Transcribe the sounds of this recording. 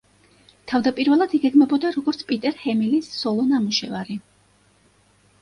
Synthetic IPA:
t̪ʰavd̪apʼiɾvɛlˠad̪iɡɛɡmɛbɔd̪aɾɔɡɔɾt̪sʰpʼit̪ʼɛɾhɛmilisːɔlˠɔnamuʃɛvaɾi

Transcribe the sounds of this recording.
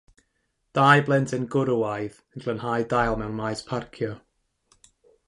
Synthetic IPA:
d̥aːjblˠɛntʰɪnɡʊɾəwajð | ənɡlənhajdajlˠmɛwnmajspʰarkʰjɔ

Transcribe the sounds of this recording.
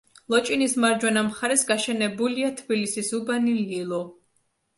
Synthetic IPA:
lˠɔt͡ʃʼinismaɾd͡ʒwɛnamχaɾɛsɡaʃɛnɛbuliat̪ʰbilisisubanililˠɔ

